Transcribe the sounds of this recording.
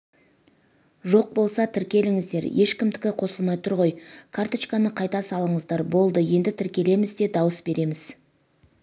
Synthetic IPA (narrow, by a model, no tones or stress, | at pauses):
ʒo̞q̚bo̞lˠsɑt̪ʰɪɾkʲe̞lɪŋɪzd̪e̞ɾje̞ʃkʲɪmd̪ɪkʲɪqʰo̞səlˠmɑjt̪ʰʊɾʁo̞jkʰaɾt̪ot͡ʃkanəqʰɑjt̪ɑsɑlˠəɴəzd̪ɑɾbo̞lˠd̪əje̞nd̪ɪt̪ʰɪɾkʲe̞le̞mɪzd̪e̞d̪ɑwəsbe̞ɾe̞mɪz